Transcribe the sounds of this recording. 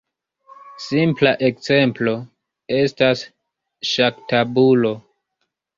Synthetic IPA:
simplaʔe̞kze̞mplo̞ | e̞stas | ʃaktabulo̞

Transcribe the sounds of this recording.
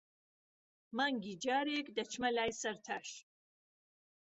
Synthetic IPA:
maŋɡʲid͡ʒaːɾekd̪ɐt͡ʃʰmɐlaːjsɐɾt̪ʰaʃ

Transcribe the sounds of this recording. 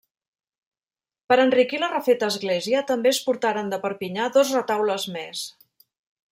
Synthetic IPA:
pəɾənrikilərəfet̪əːzɣleziət̪əmbeəspuɾt̪aɾənd̪əpəɾpiɲaðozrət̪awləzmes

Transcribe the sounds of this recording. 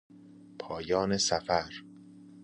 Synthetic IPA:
pʰɒːjɒːnesæfæɾ

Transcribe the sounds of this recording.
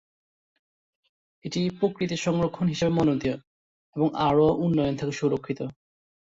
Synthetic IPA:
eʈipɾokɾit̪iʃɔŋɾokʰːonɦiʃebemɔnod̪io | eboŋaɹoʔunːɔjont̪ʰakeʃuɾokʰːit̪o

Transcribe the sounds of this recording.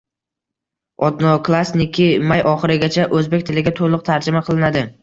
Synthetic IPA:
ɒt̪nokʰlˠasnɪkʲʰimajɒχɨɾɪɡʲat͡ʃʰaʔɵzbe̞k̚ʲt̪ʰɪlɪɡʲat̪ʰolˠʊq̚t̪ʰaɾd͡ʒɪmaqʰɨlˠɪnad̪ɪ

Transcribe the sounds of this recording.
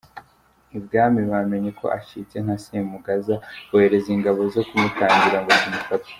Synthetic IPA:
ibɡaːmiβame̞ɲekʰo̞̰ʔacit͡sen̥hasemuɡazaβuhe̞ɾe̞ziŋɡaβo̞zo̞kumutaːɲɟiɾaŋɡozimufati̥

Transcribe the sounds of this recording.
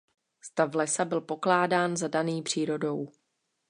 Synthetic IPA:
st̪avlɛsabɪlpo̞klaːdaːnzadaniːpr̝̥iːɾo̞do̞w

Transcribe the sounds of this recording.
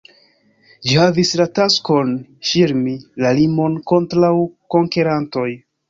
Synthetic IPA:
d͡ʒihavislatasko̞nfiɾmilalimo̞nko̞ntɾawko̞ŋke̞ɾanto̞j

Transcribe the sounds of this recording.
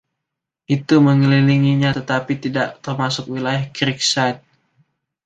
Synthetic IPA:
ʔit̪uməŋəliliŋiɲat̪ət̪apit̪idaʔt̪ərmasʊk̚wilajahkɾik̚sajt̪̚

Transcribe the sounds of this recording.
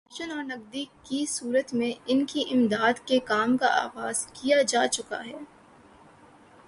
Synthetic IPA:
ʃənɔːɾnɐɡd̪ikkisuːɾət̪mẽɪnkiʔɪmd̪aːd̪kekaːmkaʔa̰ːɣaːz̥kijad͡ʒaːt͡ʃʊka̰ɦɛː

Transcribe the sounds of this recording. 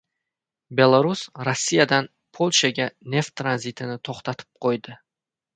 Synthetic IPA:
be̞lˠaɾusɾasːijad̪an | pʰo̞lˠʃaɡʲanʲe̞ft̪ʰːɾanzit̪ʰɪnɪt̪ʰoχt̪at̪ʰɪ̥p̚qʰojd̪ɪ

